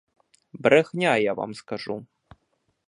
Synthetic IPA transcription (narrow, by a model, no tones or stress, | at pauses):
bɾɛxnʲajava̰mskaʐu